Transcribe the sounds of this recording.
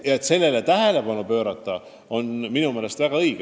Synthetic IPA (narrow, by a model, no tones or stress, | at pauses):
jɑet̪se̞lːe̞let̪æɦe̞le̞pɑnupø̞ːɾɑt̪ːˑɑ | o̞nminume̞ːle̞st̪væɡ̥ɑɤjɡ̥